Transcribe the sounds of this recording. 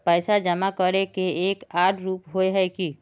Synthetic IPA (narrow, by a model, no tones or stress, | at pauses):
pəɪsad͡ʒəmakəɾekeekaɖɾuːpɦoeɦəjki